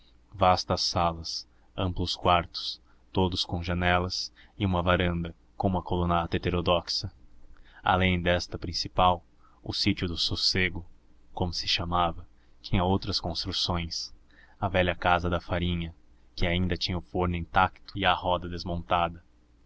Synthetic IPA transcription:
vast̪ɐsːalɐs | ɐ̃mplʊskwaɾt̪ʊ̥s | t̪od̪ʊskõw̃ʒanɛlɐsɪũmɐvaɾɐ̃nd̪ɐ | kõmʊɐkolõnat̪ɐet̪eɾod̪ɔksɐ | a̰lẽj̃d̪ɛst̪ɐpɾĩsipaw | ʊ̰sit͡ʃʊd̪ʊsoseɡʊkõmʊsɪ̥ʃamavɐ | t͡ʃĩɲɐowt̪ɾɐskõst̪ɾusõj̃s | ɐvɛʎɐkazɐd̪ɐfaɾĩɲɐ | kɪaĩnd̪ɐt͡ʃĩɲɐʊfoɾnɪĩt̪akt̪ʊɪɐhɔd̪ɐd̪ezmõnt̪ad̪ɐ

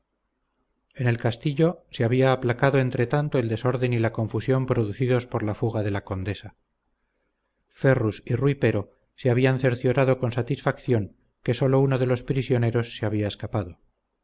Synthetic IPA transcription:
e̞ne̞lkast̪iʎo̞seaβiaːplakaðo̞e̞nt̪ɾe̞t̪ant̪o̞e̞ld̪e̞so̞ɾðe̞nilako̞ɱfusjo̞mpɾo̞ðuθiðo̞spo̞ɾlafuɣaðe̞lako̞nd̪e̞sa | fe̞rusirwipe̞ɾo̞ | seaβianθe̞ɾθjo̞ɾaðo̞ko̞nsat̪isfakθjo̞ŋ | ke̞so̞lo̞unoðe̞lo̞spɾisjo̞ne̞ɾo̞sːeaβiae̞skapaðo̞

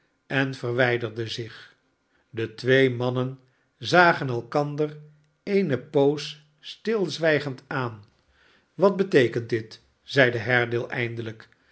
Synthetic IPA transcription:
ɛnfərʋɛjdərdəzɪχ | dətʋejmɑnən | zaːχənɛlˠkɑndər | ejnəpows | stɪlˠzʋɛjχəntaːn | ʋɑd̚bətejkəntdɪt | z̥ɛjdəɦɛɹdɪːlˠʔɛjndələk

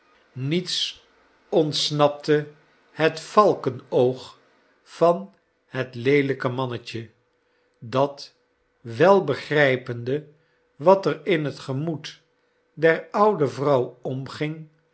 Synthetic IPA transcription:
nits | ɔntsnɑp̚tə | hətfɑlˠkənowχ | fɑn | hətlejləkəmɑnəcə | dɑt | ʋɛlˠbəχrɛjpəndə | ʋɑtərɪnɦətχəmut | dɛɹʌwdəvrʌwɔmχɪŋ

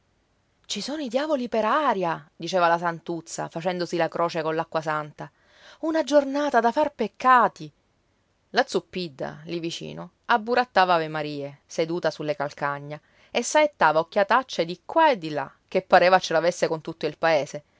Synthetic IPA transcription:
t͡ʃisoːnoid̪jaːvolipeɾaːɾjad̪it͡ʃeːvalasant̪ut̪sːa̰fat͡ʃɛnd̪osilakɾʔoːt͡ʃekonlakːwasant̪a | unad͡ʒornaːt̪ad̪afarpekːaːt̪i | lat̪supːid̪ːa̰livit͡ʃḭːno | abːuɾat̪ːaːvavemaɾiːesed̪uːt̪asulːekalkaɲːa | esːaet̪ːaːvaokːjat̪at͡ʃːed̪ikːwaed̪ːila̰ | k̟ːepːaɾeːvat͡ʃːelavesːekont̪ut̪ːoilpaeːse

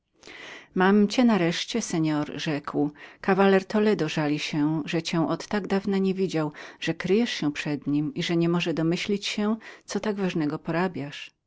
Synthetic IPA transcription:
mamt͡ɕɛnaɾɛʂt͡ɕɛsɛɲɔɾʐɛkwkavalɛɾt̪ɔlɛd̪ɔʐalʲiɕɛʐɛt͡ɕɛ̃w̃ʔɔt̪ːaɡd̪avnaɲevʲid͡ʑawʐ̥ɛkɾɘjɛʂɕɛ̃pʂɛd̪ɲimiʐɛɲɛmɔʐɛd̪ɔmɘɕlʲit͡ɕɕɛt̪sɔt̪aɡvaʐnɛɡɔpɔɾabʲjaʂ

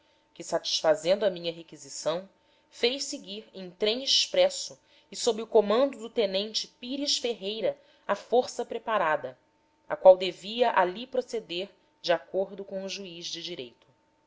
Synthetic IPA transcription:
kɪsat͡ʃi̥ʃfazẽnd̪ʊɐmĩɲɐɦekizisɐ̃w̃ | fejʃsɪɡiɾẽj̃t̪ɾẽj̃ɪʃpɾɛsʊ | ɪsobɾɪʊkomɐ̃nd̪ʊd̪ʊt̪enẽnt͡ʃɪpiɾiʃfeɦejɾɐ | afoɾsɐpɾepaɾad̪ɐ | a̰kwawd̪eviɐʔalipɾosed̪eɾ | d͡ʒɪakoɾd̪ʊkõw̃ʊʒuizd͡ʒɪd͡ʒiɾejt̪ʊ̥

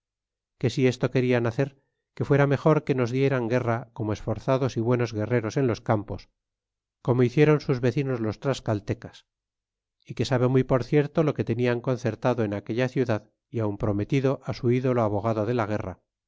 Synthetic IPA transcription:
ke̞sie̞st̪o̞ke̞ɾianaθe̞ɾ | ke̞fwe̞ɾame̞xo̞ɾke̞no̞zðje̞ɾaŋɡe̞rako̞moe̞sfo̞ɾθaðo̞siβwe̞no̞zɣe̞re̞ɾo̞se̞nlo̞skampo̞s | ko̞mo̞iθje̞ɾo̞nsuzβe̞θino̞zlo̞st̪ɾaskalt̪e̞kas | ike̞saβe̞mujpo̞ɾθje̞ɾt̪o̞lo̞ke̞t̪e̞niaŋko̞nθe̞ɾt̪aðoenake̞ʎaθjuðað | iaumpɾo̞me̞t̪iðo̞ʔasuiðo̞loaβo̞ɣaðo̞ð̞e̞laɣ̞e̞ra̰

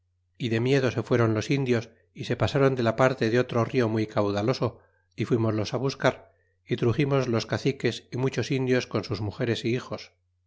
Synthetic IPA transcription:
iðe̞mje̞ðo̞se̞fwe̞ɾo̞nlo̞sind̪jo̞s | ise̞pasaɾo̞nd̪e̞lapaɾt̪e̞ðeo̞t̪ɾo̞rio̞mujkawðalo̞so̞ | ifwimo̞zlo̞saβ̞uskaɾ | it̪ɾuχimo̞zlo̞skaθike̞simut͡ʃo̞sind̪jo̞sko̞nsuzmuxe̞ɾe̞siixo̞s

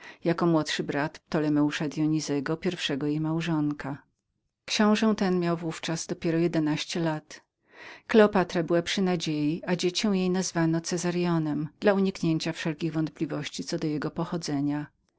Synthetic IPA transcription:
jakɔmwɔt̪ʂɘbɾat̪t̪ːɔlɛmɛuʂad̪jɔɲizɛɡɔpʲjɛɾfʂɛɡɔjejmawʐɔŋka | kɕɔ̃w̃ʐɛw̃t̪ɛnmʲjawvuft͡ʂazd̪ɔpʲjɛɾɔjɛd̪ɛnaɕt͡ɕɛlat̪ | klɛɔpat̪ɾabɘwapʂɘnad͡ʑejiad͡ʑet͡ɕɔw̃jejnazvanɔt̪sɛzaɾjɔnɛmd̪̥lauɲikɲeɲt͡ɕafʂɛlkʲiɣvɔnt̪̚plʲivɔɕt͡ɕit̪sɔd̪ɔjɛɡɔpɔxɔd̪zɛɲa

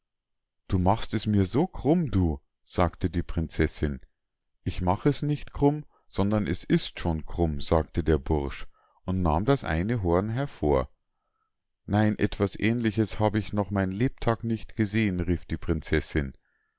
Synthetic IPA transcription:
d̥uːmaχstɛsmiːɐzoːkʁ̥ʊmduː | z̥aːktədiːpʁ̥ɪnt͡sɛsɪn | ʔɪçmaχəɛsnɪçtkʰʁ̥ʊm | z̥ɔndɐnʔɛsɪstʃoːnkʁ̥ʊmz̥aːk̚tədeːɐbʊʁʃ | ʔʊntna̰ːmdasʔa̰ɪnəɦoɐnɦɛɐfoːɐ | naɪnʔɛ̰tv̥asʔɛːnlɪçəshaːbəɪçnɔχmaɪnnleːp̚tʰaːknɪçtɡ̥əzeːənʁiːfd̥iːpʁ̥ɪnt͡sɛsɪn

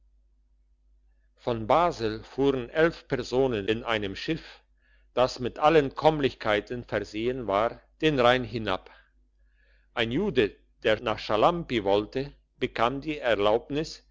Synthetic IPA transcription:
fɔnbaːzɪlfuːʁənʔɛlfpɛɐzoːnənɪnʔaɪnəmʃɪf | d̥asmɪtʔalənkʰɔmlɪçkʰaɪtənfɛɐzeːənvaːʁd̥eːnʁaɪnɦɪna̰p | ʔaɪnjuːdə | d̥eːɐnaːχʃalampivɔltə | b̥əkʰaːmdiːɛɐlaʊpnɪs

